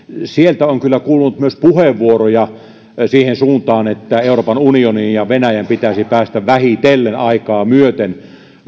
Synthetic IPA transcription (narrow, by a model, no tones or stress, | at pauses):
sielt̪æoŋkylːækuːlunut̪myøspuheʋːuorojɑ | siːhensuːnt̪ɑːnet̪ːæeˑuroːpɑnunioninjɑʋenæjæmpit̪æsipæːst̪æʋæhit̪elːenɑikɑːmyøt̪en